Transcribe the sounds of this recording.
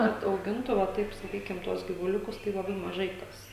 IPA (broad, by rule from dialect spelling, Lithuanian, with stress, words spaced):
ˈkɐt ɐʊˈɡʲɪntʊ ʋɐ ˈtɐɪp sɐˈkʲiːkʲɪm ˈtuɔs ɡʲiːʋʊˈlʲʊkʊs tɐɪ lˠɐˈbɐɪ mɐˈʒɐɪ ˈkɐs